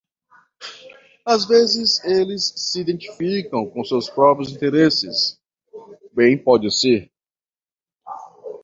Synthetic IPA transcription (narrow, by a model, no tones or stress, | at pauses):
azvezɪzelɪsːɪid̪ẽnt͡ʃi̥fikɐ̃w̃kõsewspɾɔpɾijʊzĩnt̪eɾesɪ̰s | bẽj̃pɔd͡ʒɪseɾ